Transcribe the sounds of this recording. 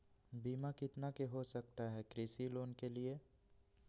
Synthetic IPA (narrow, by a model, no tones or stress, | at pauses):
biːmakɪt̪nakeɦosɐkt̪aɦɛkɾɪsiloːnkelie